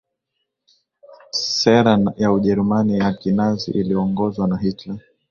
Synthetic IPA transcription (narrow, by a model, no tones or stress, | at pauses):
sɛɾajauʄɛɾumaniakinazḭʔiliɔŋɡɔzwanaɦitla